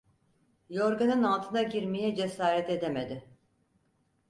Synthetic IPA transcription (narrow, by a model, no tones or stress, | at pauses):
joɾɡanɯnalˠt̪ʰɯnaɟiɾmijɛd͡ʒesaːɾɛt̪e̞d̪emed̪ɪ